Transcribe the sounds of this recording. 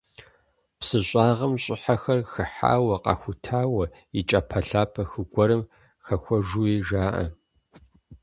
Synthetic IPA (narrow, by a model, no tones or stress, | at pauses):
psɨɕʷʼaːʁɐmɕʼɪħaxɐrxɨħa̰ːwɐqɑ̰xʷʊtʰaːwɐ | it͡ʃʼɐpʰɐɬaːpʰɐxɨɡʷɔɾɨm | xɐxʷɔʒuːiːʒaːʔɐ̰